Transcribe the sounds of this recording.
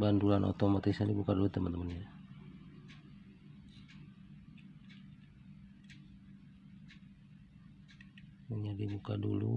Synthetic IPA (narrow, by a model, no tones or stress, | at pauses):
bandulanʔo̰t̪ɔmat̪isadibukadulut̪əmənt̪əmənɲa | əɲadibukadṵlṵ